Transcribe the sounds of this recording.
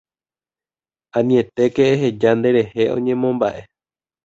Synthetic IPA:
ãnĩẽ̞t̪e̞keːɦe̞d͡ʒand̪e̞ɾe̞he̞ʔõ̰ɲẽ̞mõ̞mbaʔe̞

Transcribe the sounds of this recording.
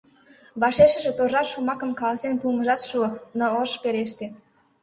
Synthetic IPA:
βɑʃeʃə̆ʒĕt̪oʒɑʃumɑkə̆mkɑlɑsenpuməʒɑt̪ʃuonoəʃpeɾeʃt̪e

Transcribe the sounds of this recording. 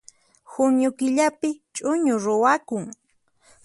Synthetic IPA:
xʊnjʊkɪʎapɪt͡ʃʼʊɲʊɾʊwakʊŋ

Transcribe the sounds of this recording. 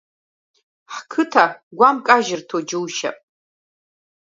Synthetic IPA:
ħkʰɨtʰaɡʷamkʼaʒɪrtʰod͡ʒɨwʃa̰pʼ

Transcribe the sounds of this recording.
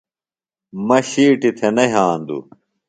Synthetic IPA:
mɐɕiːʈit̪ʰenɐɦaːnd̪ṵ

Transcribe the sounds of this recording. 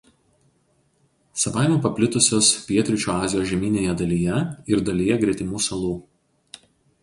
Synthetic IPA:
sɐʋɑˑɪmʲɛːpɐpʲlʲɪt̪ʊsʲoːspʲiɛt̪ʲɾʲɪt͡ʃʲuːɑːzʲɪjoːʒʲɛmʲiːnʲeːjɛd̪ɐlʲijɛɪɾd̪ɐlʲɪjɛɡɾʲɛt̪ʲɪmuːsɐlˠuː

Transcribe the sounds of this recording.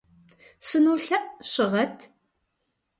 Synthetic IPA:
sɨnuːɬɐʔʼɕɪʁɐtʰ

